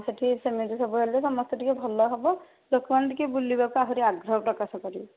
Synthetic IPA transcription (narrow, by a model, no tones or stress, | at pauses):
seʈʰisemid͡ʒisɔbuɦelesɔmɔst̪ʰeʈʰikebʱɔlːɔɦɔbɔ | lokband̪ikebulːibakɔaɦuɾiaɡɾɔɦpɾɔkasɔkɔɾi